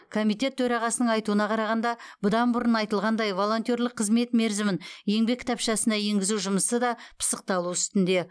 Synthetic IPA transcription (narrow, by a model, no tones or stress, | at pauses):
kʰo̞mijt̪e̞t̪ːʰɵɾɑʁɑsənəɴɑjt̪uənɑqʰɑɾɑʁɑnd̪ɑb̥ʊd̪ɑnbʊɾənɑjt̪əlˠʁɑnd̪ɑjvo̞lˠo̞nt̪ʲo̞ɾlˠəqʰːəzme̞t̪me̞ɾzɪmɪnje̞ŋbe̞kʰʲːt̪ʰɑpʃɑsənɑje̞ŋɡʲɪzuwʒʊməsəd̪ɑpʰə̥səq̚t̪ɑlˠuʏst̪ɪnd̪e̞